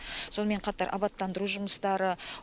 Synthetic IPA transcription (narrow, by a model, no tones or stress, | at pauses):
so̞nəme̞ɴqʰɑt̪ɑɾʔɑ̰bɑt̪ːɑnd̪əɾuʒʊməst̪ɑɾə